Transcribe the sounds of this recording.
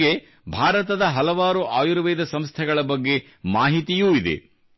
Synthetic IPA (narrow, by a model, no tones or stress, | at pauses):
e | bʱaːɾɐt̪ɐd̪ɐɦɐlɐʋaːɾuʔaːjuɾʋeːd̪ɐsɐmst̪ʰɛɡɐɭɐbɐɡːe̞ | maːɦit̪ijuːid̪ḛ